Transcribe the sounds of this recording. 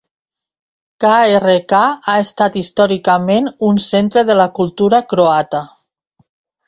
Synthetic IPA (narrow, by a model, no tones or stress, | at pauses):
kaerekaaest̪at̪ist̪ɔɾikamenunsent̪ɾəðəlakulˠt̪uɾakɾoat̪a